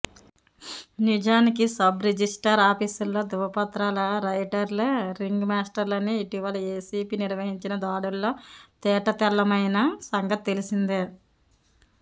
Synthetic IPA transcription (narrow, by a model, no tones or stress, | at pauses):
nid͡ʒaːnikisɐbɾed͡ʒisʈɐɾaːpiːsulːo̞ːd̪uʋɐpɐt̪ɾaːlɐɾɐjʈɐɾlɐɾiŋɡmaːsʈɐɾlɐniːʈiʋɐlɐeːsiːpiːniɾʋɐɦiɲt͡ʃinɐd̪aːɽulːo̞ːt̪ɛːʈɐt̪ɛlːɐmɐjnɐsɐŋɡɐt̪̚t̪e̞lisind̪eː